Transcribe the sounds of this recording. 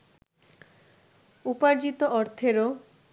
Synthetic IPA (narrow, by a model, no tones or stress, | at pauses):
upaɾd͡ʑit̪oʔɔɾt̪ʰeɾo